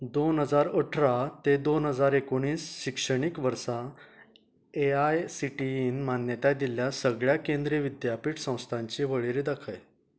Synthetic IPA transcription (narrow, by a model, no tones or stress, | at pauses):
d̪onɦəd͡zaɾəʈʰɾat̪ed̪onɦəd͡zaɾekoɽ̃iːsɕikʂəɽ̃ikʋəɾsa | eajsiʈiinmanjət̪ad̪iljasəɡɭjakẽnd̪ɾiiʋid̪japiːʈsə̃w̃st̪ʰãɲt͡ɕiʋəɭiɾiːd̪akʰəj